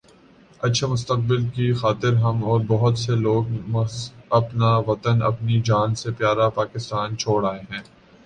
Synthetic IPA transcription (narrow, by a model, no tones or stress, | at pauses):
ɐtːʃʰamʊst̪əq̚bɪlkixaːt̪ɪɾɦɐmɔːɾbɐɦʊt̪seloːɡmɐɐpnaʋɐt̪ənɐ̰pnid͡ʒaːnsepjaːɾapaːkɪst̪aːnt͡ʃʰoːɽaːeɦɛ̃ː